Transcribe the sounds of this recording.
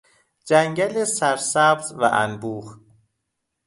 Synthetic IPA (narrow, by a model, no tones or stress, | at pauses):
d͡ʒæŋɟælesæɾsæbzvæ̰ʔæ̰nbuːχ